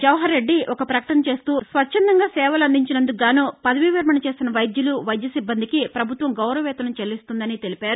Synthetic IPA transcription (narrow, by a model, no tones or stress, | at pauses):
d͡ʒɐwɦɐɾːe̞ɖːiʔɔkɐpɾɐkɐʈɐnɐt͡ʃe̞ːst̪uːsʋɐt͡ʃʰːɐnd̪ɐŋɡaːsɛːʋɐlɐnd̪iɲt͡ʃinɐnd̪uɡaːnuːpɐd̪ɐʋiʋiɾmɐnɐt͡ʃe̞ːsinɐʋɐjd̪juluʋɐjd̪jɐsibːɐnd̪ikipɾɐbʱut̪ʋɐmɡɐwɾɐʋɛːt̪ɐnɐmt͡ʃelːist̪und̪ɐnit̪e̞lipaːɾu